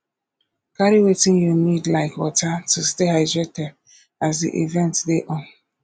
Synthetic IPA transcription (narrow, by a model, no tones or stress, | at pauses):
kaɾiwetĩnjunidlaɪkwɔtatustehaɪdɹetɛd | azdḭʔḭvɛ̃ntdeʔɔ̃n